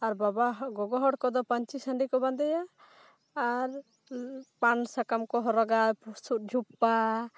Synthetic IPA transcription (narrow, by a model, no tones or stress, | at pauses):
aɾbabaɦɡɔɡɔɦɔɽkɔd̪ɔpaɲt͡ʃisəɳɖikɔband̪ɛjaː | ɾ | pansakamkɔɦɔɾɔɡapsut̪̚d͡ʒʱupːa